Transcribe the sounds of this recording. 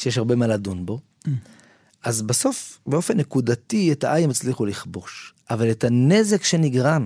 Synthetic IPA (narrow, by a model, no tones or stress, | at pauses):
ʃejeʃaʁbe̞maladunbo̞ | ʔazbaso̞fbe̞o̞fe̞nːekudatietaʔajemet͡sliχuliχbo̞ʃʔavaletane̞ze̞kʃe̞niɡʁan